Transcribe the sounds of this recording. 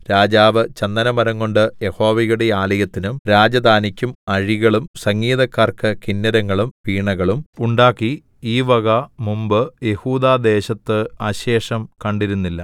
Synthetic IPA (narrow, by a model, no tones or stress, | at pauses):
ɾaːd͡ʑaːʋɨt͡ɕɐnd̪ɐnɐmɐɾɐŋːo̞ɳɖɨje̞ho̞ːʋijuɽeaːlɐjɐt̪ːinumɾaːd͡ʑɐd̪ʱaːnikʲːumɐɻiɣɐɭumsɐŋɡiːðɐkːaːrkɨkinːɐɾɐŋːɐɭumpiːɳɐɣɐɭumuɳɖaːkːi | iːʋɐɣɐmumbɨje̞huːd̪aːd̪e̞ːɕɐt̪ːɨaːɕe̞ːʂɐmkɐɳɖiɾunːilːɐ